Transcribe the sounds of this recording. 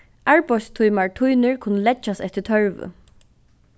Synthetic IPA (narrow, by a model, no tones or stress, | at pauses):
ʔaɹpɔst̪ʰujmaɹtʰujnɪɹkʰʊnːəlɛt͡ʃːast̪ɛht̪ːɪt̪ʰœɹʋʊ̰